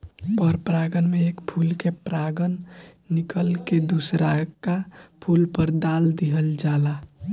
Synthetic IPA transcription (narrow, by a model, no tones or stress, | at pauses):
pəɾpɾaɡənmeeːkpʰulkepɾaːɡənːikəlked̪usɾakapʰulpəɾd̪aːld̪iɦəld͡ʒaːla